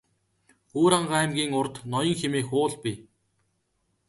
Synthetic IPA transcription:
xuːɾaɴɢaːæmɡʲiːŋʊrt̪nɔjɞ̆ŋxemeːxʊːɮpi

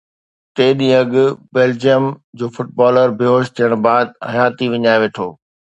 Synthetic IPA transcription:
t̪eːɗĩːɐɠʊbeːld͡ʑijəmd͡ʑoːfʊʈ̚baːləɾbɪɦoːʃt̪ʰiəɽ̃baːd̪̚hɐjaːt̪iʋɪɲaːeʋeːʈʰoː

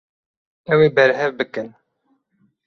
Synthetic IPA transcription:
ɛweːbɛɾɦɛvbɨkɨn

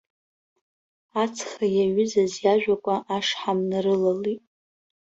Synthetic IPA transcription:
at͡sʰχajaɥʏzazjaʒᶣakʷʼaʔaʂħamnarɨlalitʼ

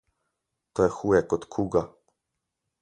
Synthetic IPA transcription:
t̪ɔjɛxujɛkɔt̪kʰuɡa

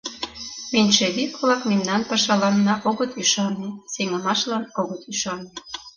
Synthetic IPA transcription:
minʲʃeβikolɑkmemnɑnpɑʃɑlɑnːɑʔoɣət̪yʃɑnːeseŋəmɑʃlɑnoɣət̪yʃɑnːe

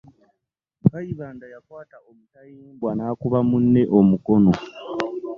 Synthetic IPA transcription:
kajiβaːndajakwaːtaomutajiːŋbwanaːkuβamunːe̞ʔo̞muko̞no̞

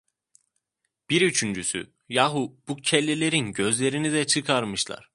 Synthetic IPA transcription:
b̥iɾyt͡ʃʰynd͡ʒysy̰ | jaɦub̥ucʰɛlʲːilʲeɾinɟø̞zlʲe̞ɾinid̪ɛt͡ʃʰɯkʰaɾmɯʃlˠa̰ɾ̥

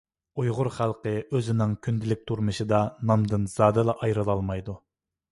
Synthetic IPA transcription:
ujʁʊɾχælˠqəøzɪnɪŋkʲʰynd̪ɪlɪk̚ʲt̪ʰuɾmɨʃɨd̪ɑnɑmd̪ɨnz̥ɑːd̪ɨlˠɑʔɑjɾɨlˠɑlˠmɑjd̪u

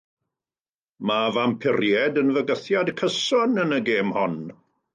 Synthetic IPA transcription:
mavampʰɪrjɛdənvəɡəθjadkʰəsɔnənəɡeːmhɔn

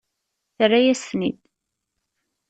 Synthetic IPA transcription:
θrːajæsnḭd̪

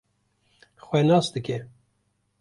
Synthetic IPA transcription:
xwɛnɑːsd̪ɨkɛ

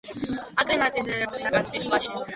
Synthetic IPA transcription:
akʼɾɛmat̪ʼizɛɾɛbulinaɡat̪sʰbisvaʃ

